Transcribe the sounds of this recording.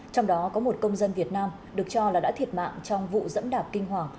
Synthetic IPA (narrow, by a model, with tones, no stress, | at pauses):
t͡ɕɔ˧wŋ͡mɗɔ˨˦kɔ˨˦mo˨˩t̚kə˧wŋ͡mzə˧nvi˨˩ət̚naː˧m | ɗɨ˨˩ək̚t͡ɕɔ˧laː˨˩ɗa̰ː˧˥t̪ʰi˨˩ət̚ma̰ː˧˨ŋt͡ɕɔ˧wŋ͡mvṵ˧˨zə̰˧˥nɗaː˨˩p̚kï˧ŋ̟ɦwaː˨˩ŋ